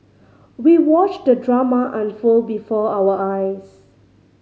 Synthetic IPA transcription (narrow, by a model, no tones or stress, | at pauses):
wiwɔt͡ʃdədɹamaʔãnfulbifɔawəʔajs